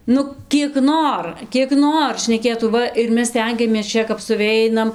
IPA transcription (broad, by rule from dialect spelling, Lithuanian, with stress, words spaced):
ˈnʊ kʲiɛk ˈnoːr kʲiɛk ˈnoːr ʃʲnʲɛˈkʲeːtuː ˈʋɐ ɪr ˈmʲɛs ˈsʲtʲɛŋʲɡʲɛmʲeːs ˈt͡ʃʲɛ kɐp sʊˈʋʲɛɪnɐm